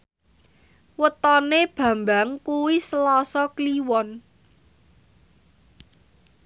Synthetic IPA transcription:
wət̪ɔneb̥ä̤mbaŋkuwisəlɔsɔkliwɔn

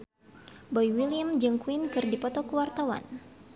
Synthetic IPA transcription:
bɔjwiljamd͡ʒəŋkuwinkɨrdipɔt̪ɔkəwart̪awa̰n

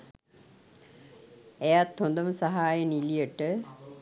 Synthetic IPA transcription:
ejat̪hond̪əməsaɦaːjənilijəʈə

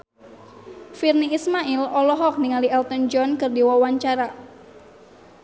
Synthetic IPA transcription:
firniismaʔilɔlɔɦɔk̚niŋaliɛlt̪ɔnd͡ʒɔnkɨrdiwawaɲt͡ʃaɾa

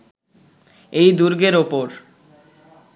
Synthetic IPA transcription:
ejd̪uɾɡeɾopoɾ

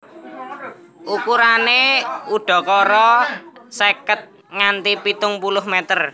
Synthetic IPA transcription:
ʔukuɾaneuɖ̥ɔ̤kɔɾɔsekət̪̚ | ŋant̪ipit̪ʊŋpulʊɦmɛt̪ər

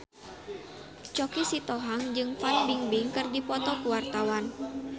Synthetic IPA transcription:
t͡ʃɔkisit̪ɔɦaŋd͡ʒɨŋfanbiŋbiŋkɨrdipɔt̪ɔkuwart̪awan

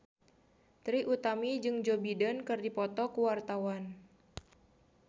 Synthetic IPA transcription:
t̪ɾiʔut̪amid͡ʒɨŋd͡ʒobidənkɨrdipɔt̪ɔkuwart̪awan

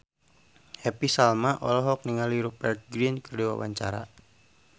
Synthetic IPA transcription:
hɛpisalmaʔɔ̰lɔɦɔk̚niŋaliɾupɛrt̪̚ɡɾinkərduwa̰wa̰ɲt͡ʃaɾa̰

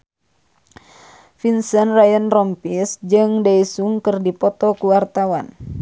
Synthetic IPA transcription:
finsənrajɔnrɔmpisd͡ʒɨŋdaisuŋkɨrdipɔt̪ɔkuwart̪awan

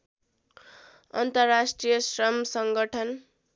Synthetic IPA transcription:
ʌ̰nt̪ʌrːasʈrijʌsrʌmsʌŋɡʌʈʰʌn

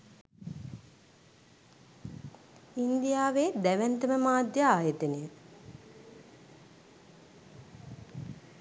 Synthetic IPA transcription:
ind̪ijaːʋeːd̪æʋænt̪əməmaːd̪jəaːjət̪ənejə

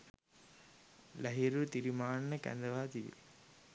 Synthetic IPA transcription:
lɐɦɪɾɯt̪iɾimaːnːɐkɐ̰nd̪ɐʋaːt̪ijɪ̰l

